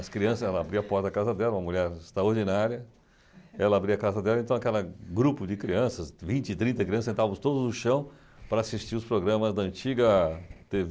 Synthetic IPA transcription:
ɐskɾiɐ̃sɐzɛlɐabɾiɐapɔɾt̪ɐkazɐd̪ɛlɐũmɐmuʎɛɾɪst̪ɾɐoɾd͡ʒinaɾjɐ | ɛlɐabɾiɐkazɐd̪ɛlɐ̃ẽnt̪ɐ̃w̃akɛlɐɡɾupʊd͡ʒɪkɾiɐ̃sɐsvĩnt͡ʃɪt̪ɾĩnt̪ɐkɾiɐ̃sẽnt̪avʊst̪od̪ʊzd̪ʊʃɐ̃w̃ | pɾɐasist͡ʃiɾʊspɾoɡɾɐ̃mɐzd̪ɐɐ̃t͡ʃiɡɐt̪ev

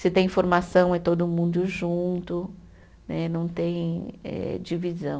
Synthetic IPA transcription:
sɪt̪ẽj̃ĩfoɾmasɐ̃w̃ɛ̃t̪od̪ʊmũnd̪ʊʒũnt̪ʊ | nɛnɐ̃w̃t̪ẽj̃ɛ̰d͡ʒivizɐ̃w̃

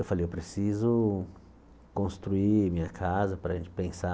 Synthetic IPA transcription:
ewfalejewpɾesizʊ | kõst̪ɾuimĩɲɐkʰazɐpɾɐʒẽnt͡ʃɪ̥pẽsa

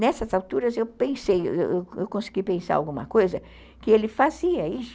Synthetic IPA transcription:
nɛsɐzawt̪uɾɐzewpẽsejḛwewewkõsɪ̥ɡipẽsa̰ɾa̰wɡũmɐ̰kojzɐ | kɪelɪfaziɐis

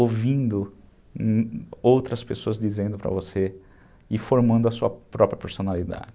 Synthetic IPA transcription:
ovĩnd̪ʊ | owt̪ɾɐspesoɐzd͡ʒizẽnd̪ʊpɾɐ̰vose | ɪfoɾmɐ̃nd̪ʊɐsuɐpɾɔpɾjɐpoɾsonalid̪a̰d͡ʒɪ

